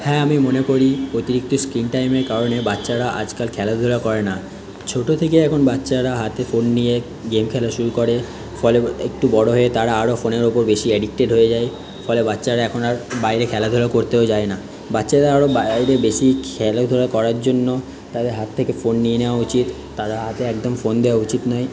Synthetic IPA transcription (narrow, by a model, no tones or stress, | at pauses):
hɛamimonekoɾiot̪iɾik̚t̪oskɾinʈajmeɾkaɾonebatːɕaɾaʔa̰d͡ʑkalkʰɛlad̪ʱoɾakɔɾena | t͡ɕʰoʈot̪ʰekeɛkʰonbatːɕaɾaɦat̪efonːije | ɡemkʰɛlaʃuɾukoɽe | fɔleḛk̚ʈubɔɽoɦoet̪aɾaaɾofoneɾopoɾbeʃieɖik̚ʈeɖɦoed͡ʑae | fɔlebatːɕaɾaɛkʰonaɾbajɾekʰɛlad̪ʱoɾakoɾt̪eod͡ʑaena | batːɕaɾaaɾobajɾebeʃikʰɛlad̪ʱoɽakɔɾaɾd͡ʑonːo | t̪ad̪eɾɦat̪ʰːekefonːijeneoaut͡ɕit̪ːaɾaɦat̪eɛkd̪omfond̪eoaut͡ɕit̪nɔe